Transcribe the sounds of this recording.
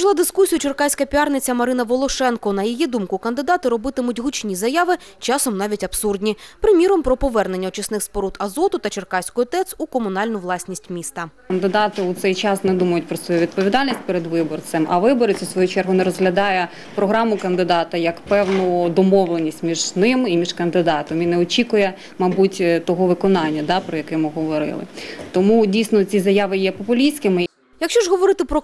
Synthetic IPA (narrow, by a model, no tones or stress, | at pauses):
ʃlˠɑd̪ɪskusʲijʊt͡ʃerkɑsʲkɐpʲiɑrnɪt͡sʲɐmɐɾɪnɐʋɔlˠɔʃɛnkɔnɐjijid̪umkʊkɐnd̪ɪd̪ɑt̪ɪɾɔbɪt̪ɪmʊtʲɦʊt͡ʃnʲizɐjɑʋɪt͡ʃɑsɔmnɑʋʲitʲɐbsurdʲnʲipɾɪmʲiɾɔmpɾɔpɔʋɛrnenʲːɐɔt͡ʃɐsnɪxspɔɾut̪ʰɐzɔt̪ʊt̪ɐt͡ʃerkɑsʲkʊjɔt̪ɛt̪sukɔmʊnɑlʲnʊʋlˠɑsʲnʲisʲtʲmʲist̪ɐ | ɐnd̪ɪd̪ɑt̪ɪʊt̪sɛjt͡ʃɑsnɛd̪umɐjʊtʲpɾɔsʋɔjuʋʲid̪pɔʋʲid̪ɑlʲnʲisʲtʲpeɾed̪ʋɪbɔrt̪semʔɐʋɪbɔɾɪt͡sʲisʋɔjut͡ʃɛrɦʊnɛɾɔzɦlʲɐd̪ɑjɛ | pɾɔɦɾɑmʊkɐnd̪ɪd̪ɑt̪ɐjɐkpɛwnʊd̪ɔmɔʋlˠenʲisʲtʲmʲiʒnɪmimʲiʒkɐnd̪ɪd̪ɑt̪ɔminɛɔt͡ʃʲikʊjɛ | mɐbutʲt̪ɔɦɔʋɪkɔnɑnʲːɐd̪ɑpɾɔjɐkɛmɪɦɔʋɔɾɪ̰lˠɪ̰t̪ɔmudʲijsʲnɔt͡sʲizɐjɑʋɪjɛpɔpʊlʲisʲkɪmɪ | jɐkʃt͡ʃɔʒɦɔʋɔɾɪt̪ɪpɾɔ